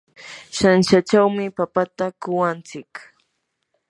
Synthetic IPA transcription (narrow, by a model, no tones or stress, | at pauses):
ʃanʃat͡ʃawmɪpapat̪akʊwant͡sɪk